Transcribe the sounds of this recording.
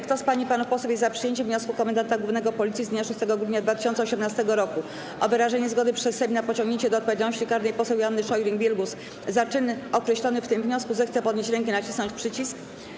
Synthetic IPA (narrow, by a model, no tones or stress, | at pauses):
kt̪ɔspaɲipanufpɔswɛjɛzzapʂɨjeɲt͡ɕɛvɲɔskukɔmɛnd̪ant̪aɡwuvnɛɡɔpɔlʲit̪sʲizd̪ɲaʂust̪ɛɡɔɡɾud̪ɲad̪vat̪ɘ̥ɕɔnt̪sɛɔɕɛmnast̪ɛɡɔɾɔku | ʔɔvɘɾaʐɛɲɛzɡɔd̪ɘpʂɛsːɛbʲinapɔt͡ɕɔ̃ŋɡɲeɲt͡ɕɛd̪ɔt̪̚pɔvʲjd͡ʑalnɔɕt͡ɕikaɾd̪ɛjpɔsɛwjanːɘʂɔjɾiŋɡbʲjɛlɡus | zat͡ʂɘnɔkɾɛɕlɔnɘft̪ɘmvɲɔskuzɛxt̪sɛpɔd̪ɲeɕt͡ɕɾɛŋkɛnat͡ɕisnɔ̃ɲt͡ɕʲpʂɘt͡ɕisk